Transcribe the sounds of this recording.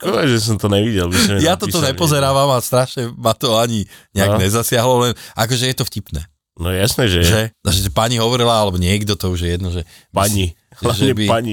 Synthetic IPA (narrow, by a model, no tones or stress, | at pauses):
kɔɛʒɛs̬ɔmt̪ɔɲɛʋiɟɛlbisɔmɛjat̪ɔt̪ɔɲɛpɔzɛɾaːʋamast̪ɾaʃɲɛmat̪ɔaɲiɲɛaɡɲɛzasɪaɦlɔlɛnʔakɔʒɛjɛt̪ɔfcipnɛ̰ː | nɔjɛjasnɛʒɛʒɛʒɛpaɲiɦɔʋɔɾilaalɛbɔɲɪɛɡd̪ɔt̪ɔuʒjɛjɛd̪nɔʒɛ | paɲi | laʒɛɲɛbipaɲi